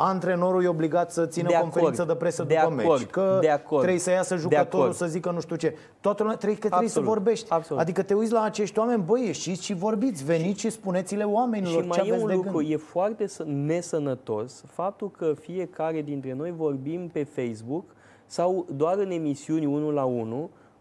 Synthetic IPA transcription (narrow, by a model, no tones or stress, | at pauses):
ant̪ɾe̞no̞ɾujeo̞bliɡat̪sət̪sinəkofeɾinsəd̪əpɾe̞səd̪uəmeɾkəd̪eakot̪ɾe̞jsəjasəʒud̪eət̪oɾusəzikənuʃt̪ut͡ʃe̞ | t̪oat̪əlumʲat̪ɾejkət̪ejsəvo̞rbe̞ʃt̪ʲabsad̪ikət̪e̞ut̪sʲlaːt͡ʃe̞ʃt̪ʲwame̞nʲbəjeʃit̪sʲʃivo̞rbit̪sʲve̞nit̪ʃispune̞t̪sile̞wame̞nilomaeeajeeusnd̪euɡɨnk̪ɾuje̞foart̪e̞səne̞sənət̪o̞sfap̚t̪ulkəfie̞kaɾe̞d̪int̪ɾe̞no̞jvo̞rbimpe̞fejsbuk | sawd̪oaɾɨne̞misiunʲunulaunu